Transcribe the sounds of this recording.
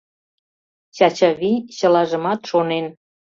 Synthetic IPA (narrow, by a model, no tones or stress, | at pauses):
ɕɑt͡ɕɑβiɕə̆lɑʒə̆mɑt̪ʃonen